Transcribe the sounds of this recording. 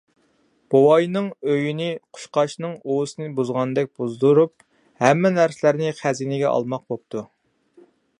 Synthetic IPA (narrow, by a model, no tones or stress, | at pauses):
b̥owɑjnɨŋøjinɪqʰʊ̥ʃqɑʃnɨŋosɨnɨbuzʁɑnd̪ɛk̚ʲb̥uzd̪uɾup̚ | hɛmːɪnæɾsɪlæɾnɪχæzinɪɡʲɛʔɑ̰lˠmɑq̚bop̚t̪ʰu